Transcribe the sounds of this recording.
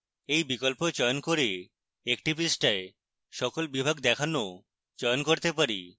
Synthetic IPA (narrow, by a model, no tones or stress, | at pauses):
ejbikolpot͡ɕɔjonkoɾe | ekʈipisʈae | ʃɔkolbibʱaɡd̪ɛkʰano | t͡ɕɔjonkoɾt̪epaɾḭ